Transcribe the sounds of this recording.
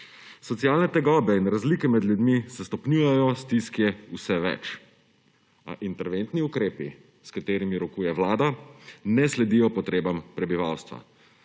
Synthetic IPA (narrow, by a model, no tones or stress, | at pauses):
sɔt̪sijaːlnɛt̪ɛɡɔːbɛinɾazlikɛmɛd̪ljud̪misɛst̪ɔpnuːjɛjɔst̪iskjɛusɛʋɛ̰t͡ʃ | a̰ʔint̪ɛɾʋent̪niukɾeːpi | skat̪eːɾimiɾɔkuːjɛʋlaːd̪anɛslɛd̪ijɔpɔt̪ɾeːbampɾɛbiʋawst̪ʋa̰